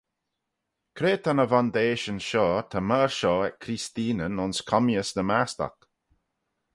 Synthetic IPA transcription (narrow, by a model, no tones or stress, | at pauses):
kʰɾeːt̪ʰanəvand̪eːʃənʃɔːt̪ʰəməːɹʃɔːɛkʰɾist̪iːnənʊnskʰɔmjəsdəmast̪a̰k